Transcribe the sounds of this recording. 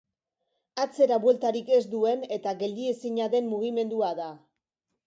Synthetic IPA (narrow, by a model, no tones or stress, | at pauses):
at͡se̞ɾaβwe̞lt̪aɾike̞zd̪ue̞ne̞t̪aɣe̞ld̪ie̞siɲaðe̞mmuɣ̞ime̞nd̪uaða